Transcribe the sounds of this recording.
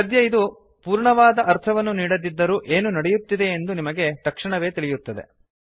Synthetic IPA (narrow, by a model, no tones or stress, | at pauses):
ɐd̪jɐid̪u | puːɾɳɐʋaːd̪ɐʔɐɾt̪ʰɐʋɐnːuniːɽɐd̪id̪ːɐɾuːʔe̞ːnunɐɽejut̪ːid̪e̞ːnd̪unimɐɡe̞t̪ɐkʂiɳɐʋe̞ːt̪iɭijut̪ːɐd̪ḛ